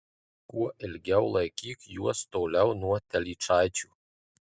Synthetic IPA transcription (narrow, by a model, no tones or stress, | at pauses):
kuɔʔɪlʲɡʲɛʊlˠɐɪkʲiːkjuɔst̪oːlʲɛʊnuɔt̪ʲɛlʲiːt͡ʃɑˑɪt͡ʃʲuː